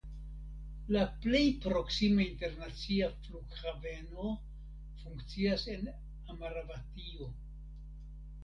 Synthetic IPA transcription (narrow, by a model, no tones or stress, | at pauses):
laple̞jpɾo̞ksimainte̞ɾnat͡siafluɡhave̞no̞ | fuŋkt͡siase̞n | amaɾavatio